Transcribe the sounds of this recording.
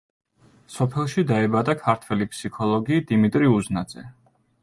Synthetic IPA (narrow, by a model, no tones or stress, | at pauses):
sɔpʰɛlˠʃid̪aɛbad̪akʰaɾt̪ʰwɛlipʰsikʰɔlˠɔɡiːd̪imit̪ʼɾiuznad̪z̥ɛ̰